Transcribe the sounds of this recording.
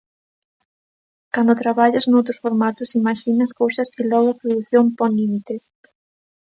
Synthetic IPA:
kand̪ot̪ɾaβaʎɐznowt̪ɾʊsfoɾmat̪ʊsimaʃinɐskowsɐskɪlɔɣ̞ʊapɾoðuθjompɔlimit̪es

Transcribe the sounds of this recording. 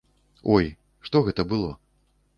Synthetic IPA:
ɔj | ʂt̪ɔɣɛt̪ɐbɨlˠɔ

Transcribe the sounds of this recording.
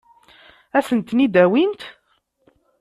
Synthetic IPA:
æsənt̪nid̪æwint̪

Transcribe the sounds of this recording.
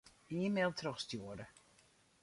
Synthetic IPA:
iəmeːlˠtʰrɔxstjoːəɾə

